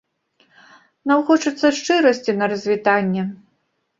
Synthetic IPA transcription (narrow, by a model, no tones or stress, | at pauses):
nɐwxɔt͡ʂɨt̪sːɐʂt͡ʂɨɾɐsʲt͡sʲinɐɾɐzʲvʲit̪anʲːɛ